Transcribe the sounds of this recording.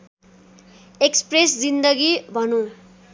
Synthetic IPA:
ekspresd͡zind̪ʌɡibʱʌnõ

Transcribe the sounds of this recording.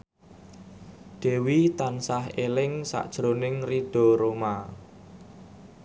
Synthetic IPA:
ɖ̪̥e̤wit̪ansaɦelɪŋsa̰ʔd̥ʒ̥ɾonɪŋriɖ̥ɔ̤ɾoma

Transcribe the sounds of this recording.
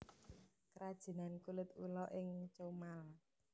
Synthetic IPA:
kəɾad̥ʒ̥ə̤nankulɪt̪ulɔʔɪŋt͡ʃomala

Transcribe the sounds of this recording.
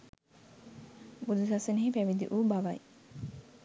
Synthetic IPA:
bud̪usasɐneɦepæʋid̪ḭʔuːbaʋɐj

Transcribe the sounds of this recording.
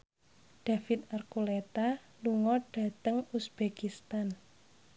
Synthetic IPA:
ɖ̥a̤fit̪̚arkulet̪a | luŋɔɖ̥a̤t̪əŋusb̥ekist̪an

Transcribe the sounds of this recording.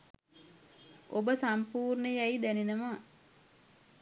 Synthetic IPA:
obəsampuːrnəjæjid̪ænenəmaː

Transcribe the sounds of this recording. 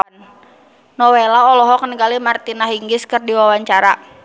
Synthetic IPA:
n | nɔwelaɔlɔɦɔkənəɡalimart̪inaɦiŋɡɪskɨrdiwawaɲt͡ʃaɾa

